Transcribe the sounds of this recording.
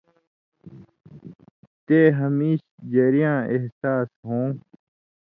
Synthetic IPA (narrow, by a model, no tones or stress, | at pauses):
t̪eːɦɐmiːɕd͡ʑɐɾijãːeɦsaːsɦõː